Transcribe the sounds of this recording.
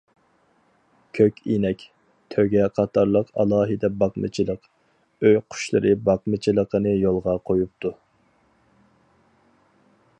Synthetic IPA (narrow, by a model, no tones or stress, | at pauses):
kʲʰøkʲinɛkʲ | t̪ʰøɡʲɛqʰɑt̪ʰɑɾlˠəqɑ̰lˠɑːɦɨd̪ɛbɑqmɨ̰t͡ʃʰilˠəq | øjqʰʊ̥ʃlˠɨ̰ɾɨbɑqmɨt͡ʃʰilˠəqʰənɨjolˠʁɑqʰojup̚t̪ʰu